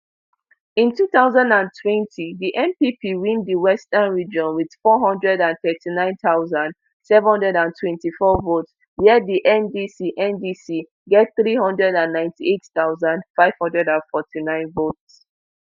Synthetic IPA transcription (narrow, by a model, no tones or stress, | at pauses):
ĩntʰuθaʊzãndãntʰwɛ̃ntʰiðiʔɛ̃mpipʰiwĩndiwɛstənɹid͡ʒɔ̃nwið̥fɔɦɔ̃ndɹɛdãnθɛtinãɪ̃nθaʊzãnd | sɛvhɔ̃ndɹɛdãntʰwɛ̃ntifɔvots | jɛdiʔɛ̃ndisiʔɛ̃ndisi | ɡɛt̚θɹihɔ̃ndɹɛdãnːãɪ̃ntʰietθaʊzãndfaɪv̥hɔ̃ndɹɛdãnfɔtʰinãɪ̃nvots